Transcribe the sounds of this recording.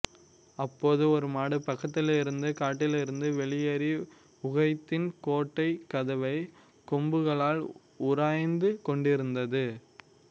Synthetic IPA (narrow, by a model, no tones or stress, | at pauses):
ɐpːoːðɯɔɾɯmaːɽɯpːɐkːɐt̪ːɪlɪɾɯnd̪ɯkaːʈːɪlɪɾɯnd̪ɯʋɛɭɪjɐɾi | ʊɣɐɪt̪ːɪnkoːʈːɐɪkːɐðɐʋɐɪ | kɔmbɯɣɐɭaːl | ʊɾaːjnd̪ɯkɔɳɖɪɾɯnd̪ɐðɯ